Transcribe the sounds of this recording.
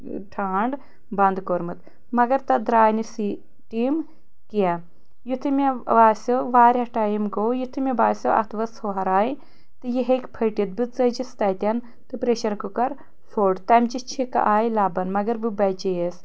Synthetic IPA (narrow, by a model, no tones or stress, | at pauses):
ʈʰaːɳɖ | bɐnd̪koːɾmɨt̪ | mɐɡɐɾt̪ɐd̪ɾaːjnisi | ʈiːm | kijɛ | jut̪ʰɨmʲeʋaːsʲoʋaːɾʲɦɐʈaːjimɡoːjut̪ʰɨmʲebaːsʲoʔɐ̰t̪ʰʋɐshoːɦɐɾaːji | t̪ɨjiɦekpʰɐʈit̪̚bɨt͡sɐd͡ʒist̪ɐt̪ʲɐn | t̪ɨpɾeːʃɐɾkukɐɾ | fʰoːɖt̪ɐmd͡ʒit͡ʃʰikɐ̰ʔaːjilaːbɐnmɐɡɐɾbɨbɐd͡ʒejes